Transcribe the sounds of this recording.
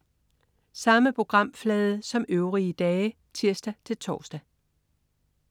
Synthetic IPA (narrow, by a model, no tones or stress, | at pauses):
sɑ̈məpʰʁo̝ɡ̥ʁɑ̈m̰flɛːð̞ˠəsɒ̽møʊʁiəd̥ɛː | t͡sʰiɐ̰sd̥æt͡sʰe̝lt͡sʰɒ̰ːsd̥æ